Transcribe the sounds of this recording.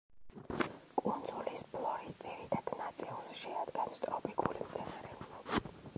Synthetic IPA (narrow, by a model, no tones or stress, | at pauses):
kʼund̪zulispʰlˠɔɾisd̪z̥iɾit̪ʰad̪̥nat̪sʼilˠsʃɛad̪ɡɛnst̪ʼɔpʼikʼṵlimt̪sʰɛnaɾɛulai